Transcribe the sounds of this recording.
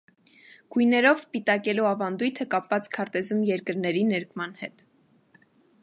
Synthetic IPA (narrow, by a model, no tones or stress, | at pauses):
ɡ̥ujnɛɾɔvpit̪ɑkɛluɑvɑnd̪ujt̪ʰəkɑpvɑt͡skʰɑɾt̪ɛzumjɛɾkəɾnɛɾinɛɾkʰmɑn̪hɛt̪